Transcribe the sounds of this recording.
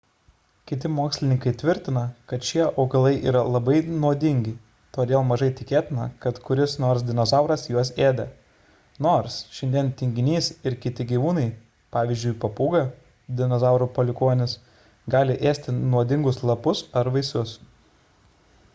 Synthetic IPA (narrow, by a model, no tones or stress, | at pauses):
kʲɪt̪ʲɪmoːksʲlʲɪnʲɪŋkɐɪt̪ʲʋʲɪɾʲt̪ʲɪnɐkɐt̪ʃʲiɛʔɐʊɡɐlˠɐɪʔḭːɾɐlˠɐbɐɪnuɔd̪ʲɪŋʲɡʲɪ | t̪oːd̪ʲeːlˠmɐʒɐɪt̪ʲɪkʲeːt̪ʲɪnɐ̰kɐt̪kʊɾʲɪsnoːɾsd̪ʲɪnozɑˑʊɾɐsjuɔseːd̪ɐ | noːɾsʃʲɪnʲd̪ʲiɛnt̪ʲɪŋʲɡʲɪnʲiːsɪɾkʲɪt̪ʲɪɡʲiːʋuːnɐɪ | pɑːʋʲiːzʲd͡ʒʲʊɪpɐpuːɡɐ | d̪ʲɪnɔzɑʊɾuːpɔlʲɪkoːnʲɪs | ɡɑːlʲɪʔeːsʲt̪ʲɪnuɔd̪ʲɪŋɡʊslˠɐpʊsɐɾʋɐɪsʊs